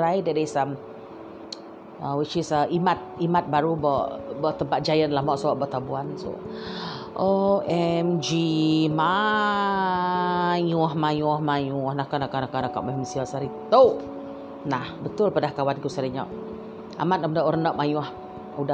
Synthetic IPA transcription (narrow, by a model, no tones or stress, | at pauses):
ɾajdɛʔdesam | əwit͡ʃisəimat̪̚imat̪̚baɾubɔʔbɔʔt̪əmpat̪̚d͡ʒajənlamɔʔsowaʔbɔʔt̪abuanso̰ʔʔoʔɛmd͡ʒima | ɲuhmajuhmajuhnahkanakanakanakɔ̰ʔmɛməsiasaɾit̪owʔ | nahbət̪ʊlpadahkawankusaɾiɲɔʔ | a̰mat̪əmdaʔuɾənɔʔ̚majuh | uda